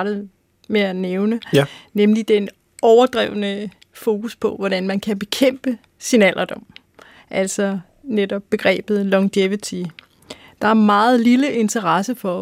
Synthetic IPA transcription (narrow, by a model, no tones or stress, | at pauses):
d̥ð̩ˠ | meæneʊnənemlid̥en | ɒʊɐd̥ʁɛ̰ʊənə | fo̝ːkuspʰɒ̽ʋɒɾ̥ænmænkʰæb̥e̝kʰem̰b̥ə | sinæl̰ʔɐd̥ɒ̽m̰ | ʔæl̰sɒ̽ | ned̥ɒ̽b̥ːe̝ɡ̥ʁɛ̰ːb̥ð̩ˠlɒ̽ŋd̥eʋit͡sʰi | d̥ɑ̈æɐmɑ̈ːð̩ˠliləʔe̝nt͡sʰɐʁɑsəfɒ̽